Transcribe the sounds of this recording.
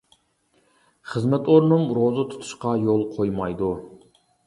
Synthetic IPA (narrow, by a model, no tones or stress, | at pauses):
χəzmɛt̪oɾnumɾozɨt̪ʰu̥t̪ʰu̥ʃqɑjolˠqʰojmɑjd̪u